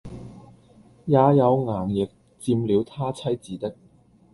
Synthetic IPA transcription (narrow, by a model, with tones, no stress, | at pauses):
jaː˨˧jɐ˨˧wŋaː˨˩ŋjɪ˨k̚ | t͡siː˧mliː˨˧wt̪ʰaː˥t͡sʰɐ˥jt͡siː˨t̪ɪ˥k̚